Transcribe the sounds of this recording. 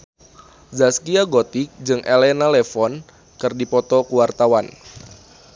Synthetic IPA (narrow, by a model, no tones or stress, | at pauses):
zaskiaɡot̪ik̚d͡ʒɨŋʔelɛnalefɔn | kɨrdipɔt̪ɔkuwart̪awan